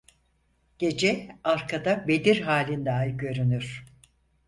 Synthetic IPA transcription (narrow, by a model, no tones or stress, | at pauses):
ɟ̥e̞d͡ʒɛaɾkʰad̪abe̞d̪iɾɦaːlʲind̪alɟø̞ɾynyɾ̥